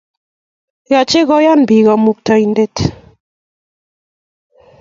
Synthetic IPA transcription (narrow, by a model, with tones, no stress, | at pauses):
jɔ˨t͡ʃe˦ɣɔ˦ja˦n˨bi˨ɣɔ˨mu˦k̚tɔ˦i˨n˦de˦t